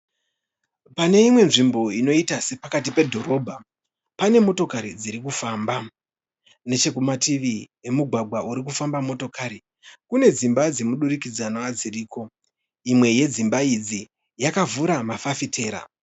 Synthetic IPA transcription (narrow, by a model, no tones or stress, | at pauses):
pane̞imwe̞nʐimbo̞ino̞itase̞pakatipe̞dʱo̞ɾo̞bʱa | pane̞mo̞to̞kaɾid͡ziɾikufaːmba | ne̞t͡ʃe̞kumatiʋi | e̞muɡʱwaɡʱwaʔuɾik̬ufambamo̞to̞kaːɾi | kune̞d͡zimbad͡ze̞muɗurikid͡zanoad͡ziriːko̞ | imwe̞je̞d͡zimbaid͡zi | jakavuɾamafafitʰe̞ːɾa̰